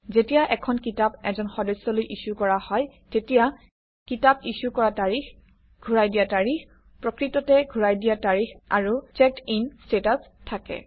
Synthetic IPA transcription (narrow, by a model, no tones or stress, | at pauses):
zetijaʔɛkʰɔnkitapɛzɔnxɔdɔsːɔlojʔisukɔɹahɔjtetija | kitab̚isukɔɹataɹix | ɡʱuɹajdijataɹix | pɹɔkɹitɔtɛɡʱuɹajdijataɹixa̰ɹut͡ʃɛk̚tinstetastʰakɛ̰